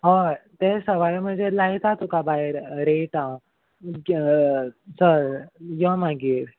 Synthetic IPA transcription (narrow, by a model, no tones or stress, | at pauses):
ɦɔt̪esəʋajm̤əɳd͡zelajit̪at̪ukabaeɾɾeʈã | səɾjɔmaɡiːɾ